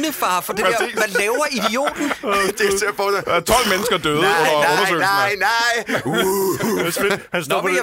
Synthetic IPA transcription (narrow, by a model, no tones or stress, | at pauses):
nəfɑ̈ːfɒd̥e̝eɐælɛːʊɐʔid̥io̝̰ːd̥n̩d̥esefɒst͡sʰɒ̽l̰menəsɡ̥ɐd̥øːð̩ˠɔɐɔ̽nɐsø̰naɪɪu | sehænsɔ̰fʰɒ